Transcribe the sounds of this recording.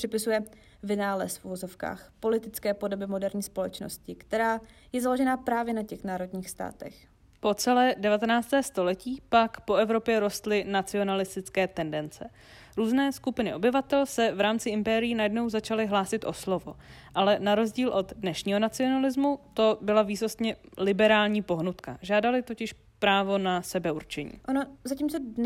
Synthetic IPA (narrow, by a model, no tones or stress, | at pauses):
r̥ɪpɪsujɛ | vɪnaːlɛ̰sfʔuvozofka̰ːxpo̞lɪt̪ɪt͡skɛːpo̞do̞bɪmo̞dɛɾɲiːspo̞lɛt͡ʃno̰scɪkt̪ɛɾaː | jɛzalo̞ʒɛnaːpɾaːvjɛnacɛxnaːɾo̞dɲiːxst̪a̰ːt̪ɛ̰x | po̞t͡sɛlɛːdɛvat̪ɛnaːt͡st̪ɛːst̪o̞lɛciːpakpo̞ʔɛvɾo̞pjɛɾo̞st̪lɪnat͡sɪo̞nalɪst̪ɪt͡skɛːt̪ɛndɛnt͡sɛ | ɾuːznɛːskupɪnɪʔo̞bɪvat̪ɛlsɛvɾaːmt͡sɪɪmpɛːɾɪjinajɛdno̞wzat͡ʃalɪɦlaːsɪt̪ʔo̞̰slo̞vo̞̰ʔalɛnaɾo̞zɟiːlʔo̞d̪dnɛʃɲiːɦo̞nat͡sɪo̞nalɪzmut̪o̞bɪlaviːsost̪ɲɛlɪbɛɾaːlɲiːpo̞ɦnut̪ka̰ʒaːdalɪt̪o̞cɪʃ | pɾaːvo̞nasɛbɛuɾt͡ʃɛɲḭːʔonozaciːmt͡so